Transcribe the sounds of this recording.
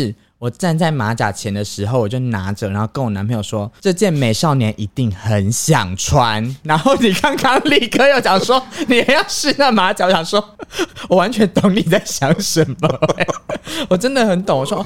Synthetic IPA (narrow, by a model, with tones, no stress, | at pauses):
ʂɻ̩˥˩ | wɔ˨˩ʈ͡ʂa˥˧nt͡sa˥˩ɪma˧˥t͡ɕja̰˨˩t͡ɕʰjɛ˧˦nd̪ə˨ʂɻ̩˧˥xo˥˧ʊwɔ˨˩t͡ɕjo˥˩ʊna˧˥˦ʈ͡ʂə˨˩ɻa˧˥nxo˥˧ʊkə˧˥nwɔ˨˩na˧˦pʰə˧˦ŋjo˨˩ʂwɔ˦ʈ͡ʂɤ˥˧t͡ɕjɛ˥˨nme˨˩ɪʂɑ˥˩ʊnjɛ˧˥nʔi˧˥t̪i˥˩ŋxə˨˦nɕjɑ̰˨˩ŋʈ͡ʂʰwa˧˦nɻa˧˦nxo˥˩ʊni˨˩kɑ˥˦ŋkʰɑ˥ŋli˥˩kʰə˧˦jo˧˩t͡ɕjɑ˨˩ŋswɔ˦˥ni˨˩je˨˩jɑ˥˧ʊʂɻ̩˥˧na˥˩ma˧˥t͡ɕja˨˦wɔ˨˩ɕjɑ˨˩ŋswɔ˦˥wɔ˨˩wa˧˦nt͡ɕʰɥɛ˧˥nt̪o˨˥ŋni˨t͡sa˥˩ɪɕjɑ˨˦ŋʂə˨˦nmə˩˨˦ | wɔ˨˩ʈ͡ʂə˦nd̪ə˨xə˨˦nt̪o˨˩ŋwɔ˨˩ʂwɔ˥˦˥